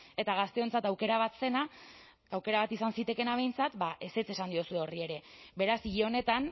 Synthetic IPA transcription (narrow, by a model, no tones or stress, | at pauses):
e̞t̪aɣ̞ast̪e̞o̞nt͡sat̪awke̞ɾaβ̞at̪se̞na | awke̞ɾaβat̪isansit̪e̞ke̞naβe̞jnt͡sat̪baʔe̞se̞t͡se̞sand̪iosue̞o̞rie̞ɾe̞βe̞ɾasiʎo̞ne̞t̪an